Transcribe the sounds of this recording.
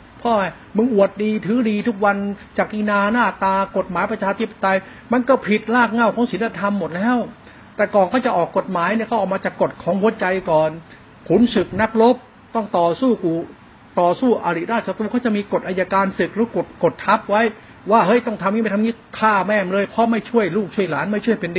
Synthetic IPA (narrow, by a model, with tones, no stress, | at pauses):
pʰɔː˥˩ha˧˩ | mɯ˧ŋʔu˨˩ət̪̚diː˧t̪ʰɯː˨˦˥diː˧t̪ʰu˦˥k̚wa˧nt͡ɕaː˨˩k̚kiː˧naː˧naː˥˩t̪aː˧ko˨˩t̪̚maː˨˦jpɾa˧t͡ɕʰaː˧t̪ʰi˦˥pːa˧t̪a˧j | ma˧nkɔː˥˩pʰi˨˩t̪̚laː˥˩k̚ŋa˥˩wkʰɔː˨˦ŋsi˨˦nla˧t̪ʰa˧mːo˨˩t̪̚lɛː˦˥w | t̪ɛː˨˩kɔː˨˩ŋkʰɔː˥˩t͡ɕa˨˩ʔɔː˨˩kːo˨˩t̪̚maː˨˦jni˥˩kʰa˥˩ʔɔː˨˩maː˧t͡ɕaː˨˩kːo˨˩t̪̚kʰɔː˩˦˥ŋhu˨˦ət͡ɕa˧jkɔː˨˩n | kʰu˨˩˦nsɯ˨˩k̚na˦˥k̚lo˦˥p̚ | t̪ɔ˥˩ŋt̪ɔː˨˩suː˥˩kuː˨˩ | t̪ɔː˨˩suː˥˩ʔa˧ɾi˨˩ɾaː˥˩t̪̚t͡ɕʰa˧u˧kʰːt͡ɕa˨˩miː˧ko˨˩t̪ʔaː˧ja˧kaː˧nsɯ˨˩k̚ɾɯː˨˦˥ko˨˩t̪̚ko˨˩t̪ʰːa˦˥p̚wa˦˥j | waː˥˩hɤ˦˥˩jt̪ɔ˥˩ŋt̪ʰa˧mːiː˥˩m˥˩t̪ʰa˧ŋiː˥˩kʰaː˥˩mɛː˧˩mlɤː˧jpʰɾɔ˦˥ma˥˩jt͡ɕʰu˥˩əjluː˥˩k̚t͡ɕʰu˥˩əjlaː˩˦˥nma˥˩jt͡ɕʰu˥˩jpe˧ndi˧